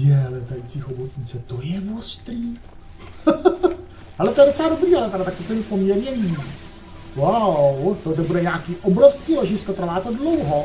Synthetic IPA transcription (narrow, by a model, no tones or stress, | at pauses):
jɛalɛt̪ajt͡siːxobot̪ɲɪt͡sɛt̪ojɛmost̪ɾiː | halɛt̪ojɛdot͡sɛlaːdo̞bɾiːalɛt̪aɾat̪ak̚t̪osɛmɪpomɲɛɾɲɛvi | wawt̪ot̪ɛbudɛɲaːkiːʔobɾofskiːloʒɪskot̪ɾvaːt̪odlowɦo